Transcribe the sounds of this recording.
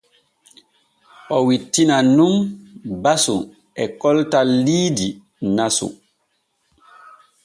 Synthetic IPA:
ʔɔwitːinanumbasu | ʔɛkɔltalːiːdi | nasṵ

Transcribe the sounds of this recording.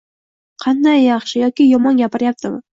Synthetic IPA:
qʰɑnd̪ajːɑχʃɪjɒkʲɪjɒmɒnɡʲapɪɾjap̚t̪ʰɪmɪ

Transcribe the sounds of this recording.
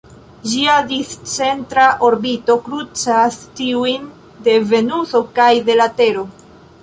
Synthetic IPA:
d͡ʒiadist͡se̞ntɾaʔo̞ɾbito̞kɾut͡sastiujn | de̞ve̞nuso̞kajde̞late̞ɾo̞

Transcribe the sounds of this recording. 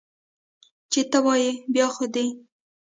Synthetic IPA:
t͡ʃet̪əwɑjebjɑxod̪e

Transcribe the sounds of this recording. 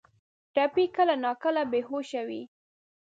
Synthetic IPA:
ʈapikəlanɑkəlabehoʃawḭ

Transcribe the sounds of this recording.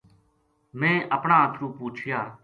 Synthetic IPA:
mɛ̃ːʔəpɳãːət̪ʰɾuːpuːt͡ʃʰjaː

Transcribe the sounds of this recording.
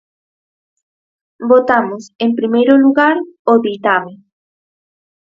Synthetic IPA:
bot̪amosempɾimejɾoluɣaɾoðit̪ame

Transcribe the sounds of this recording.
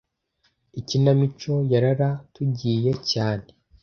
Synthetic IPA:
icinamit͡ʃo̞jaɾaɾatuɟiːje̞caːne̞

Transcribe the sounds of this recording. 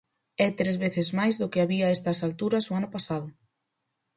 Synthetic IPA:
ɛt̪ɾezβeθɪzmajzðʊkɪaβiɐɛst̪ɐsalt̪uɾɐsʊanʊpasaðʊ

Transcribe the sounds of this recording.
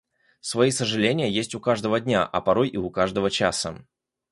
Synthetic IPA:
svɐisəʐɨlʲenʲɪjəjesʲtʲʊkaʐd̪əvədʲnʲa̰ʔɐ̰pɐɾo̞jʔiʊkaʐd̪əvət͡ɕa̰sə

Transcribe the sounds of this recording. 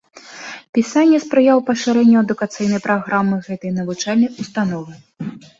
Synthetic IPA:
pʲisanʲːɛspɾɨjawpɐʂɨɾɛnʲːɐɐd̪ukat̪sɨjnɐjpɾaɣɾamːɨɣɛt̪ɨjnɐvut͡ʂalʲnɨjust̪an̪ɔvɨ

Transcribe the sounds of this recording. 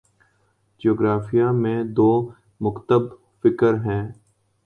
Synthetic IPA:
d͡ʒioːɡɾaːfijamẽd̪oː | mʊkt̪əb | fɪkəɾɦɛ̃ː

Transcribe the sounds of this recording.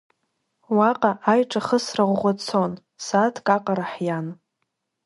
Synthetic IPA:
waqʼaʔajʈ͡ʂʼaχəsraʁʷʁʷat͡sʰon | satʰkʼaqʼaɾaħjan

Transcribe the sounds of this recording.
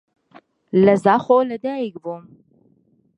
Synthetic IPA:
lɐzaχolɐdajɡvom

